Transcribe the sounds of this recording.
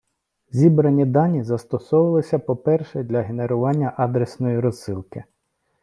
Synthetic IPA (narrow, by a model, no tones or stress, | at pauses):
zʲibɾɐnʲid̪ɑnʲizɐst̪ɔsɔʋɪlˠɪsʲɐpɔpɛrʃɛd̪lʲɐɦeneɾʊʋɑnʲːɐʔɑd̪ɾɛsnɔjiɾɔzːɪlˠkɪ